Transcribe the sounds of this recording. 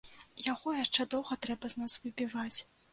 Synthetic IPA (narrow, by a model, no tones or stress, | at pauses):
jaɣɔjaʂt͡ʂɛd̪ɔwɣɐt̪ɾɛbɐznasvɨbʲivat͡sʲ